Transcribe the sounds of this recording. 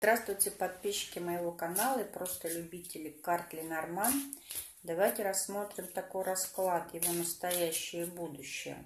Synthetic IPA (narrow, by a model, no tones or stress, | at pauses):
zd̪ɾast̪vʊjtʲɪpɐt̪̚pʲiɕːɪ̥kʲɪməjɪvo̞kɐnalˠəipɾo̞st̪əlʲʉbʲitʲɪlʲɪkart̪lʲɪnɐrman | d̪ɐvajtʲɪɾɐsːmo̞t̪ɾʲɪmt̪ɐko̞jrɐsklˠat̪jɪvo̞nəst̪ɐjæɕːɪjəbud̪ʊɕːɪ̰jə̰